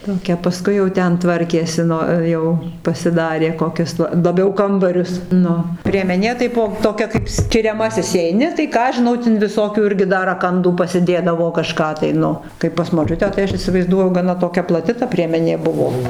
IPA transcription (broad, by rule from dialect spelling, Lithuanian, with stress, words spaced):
toːˈkʲɛ pɐˈskʊɪ jɛʊ ˈtʲɛn ˈtʋɐrʲkʲeːsʲɪ ˈnʊ ˈjɛʊ pɐsʲɪˈdɑːrʲeː koːˈkʲʊs lˠɐ lˠɐˈbʲɛʊ ˈkɐmbɐrʲʊs ˈnʊ pʲrʲiɛmʲɛˈnʲeː tɐɪ ˈbuɔ toːˈkʲɛ kɐɪp sʲkʲɪrʲɛˈmɑːsʲɪs iːɛɪˈnʲɪ tɐɪ ˈkɑː ɐʃ ʒʲɪˈnɐʊ tʲɪn ʋʲɪˈsoːkʲuː ˈɪrʲɡʲɪ dɐr rɐˈkɐnduː pɐsʲɪˈdʲeːdɐʋoː kɐˈʃkɑː tɐɪ ˈnʊ ˈkɐɪ pɐs moːˈt͡ʃʲʊtʲæː tɐɪ ˈɐʃ iːsʲɪʋɐɪzˈduɔjʊ ɡɐˈnɐ toːˈkʲɛ plˠɐˈtʲɪ tɐ pʲrʲiɛmʲɛˈnʲeː ˈbʊʋoː